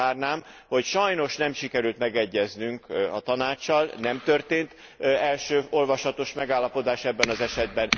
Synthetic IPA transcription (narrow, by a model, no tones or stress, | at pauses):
aːrnaːm | ho̞cʃɒjno̞ʃnɛmʃikɛɾylt̪mɛɡɛɟːɛznyŋkɒt̪ɒnaːt͡ʃːɒlnɛmt̪ø̞rt̪eːnt̪ | ɛlʃøːo̞lvɒʃɒt̪o̞ʃmɛɡaːlːɒpo̞d̪aːʃɛbːɛnɒzɛʃɛd̪bɛn